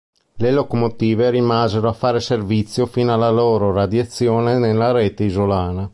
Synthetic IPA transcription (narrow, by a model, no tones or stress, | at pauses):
lelokomot̪iːveɾimaːzeɾoafaːɾeservit̪sːjofiːnalːaloːɾorad̪jat̪sːjoːnenelːaɾɛːt̪eizolaːna